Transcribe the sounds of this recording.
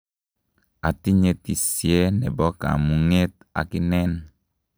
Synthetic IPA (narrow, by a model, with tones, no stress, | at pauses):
a˨ti˦ɲe˨ti˨sie˦nɛ˨bɔ˦ka̰˨mu˨ŋe˦t̚ | a̰˨ki˦nɛ˦n